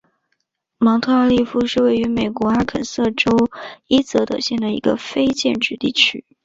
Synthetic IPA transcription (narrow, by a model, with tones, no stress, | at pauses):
mɑ˧˥ŋt̪ʰɤ˥˧a˞˥˧li˥˩fu˥ʂɻ̩˥˧we˥˩ɪy˧˥me˨˩ɪkwɔ˧˥a˥kʰə̰˨˩nsɤ˥˩ʈ͡ʂo˥ʊi˥t͡sɤ˧˥t̪ɤ̰˨˩ɕjɛ˥˩nd̪ə˩ḭ˧˥ɡə̰˧fe˥ɪt͡ɕjɛ̰˥˧nʈ͡ʂɻ̩˥˧t̪ḭ˥˩t͡ɕʰy˥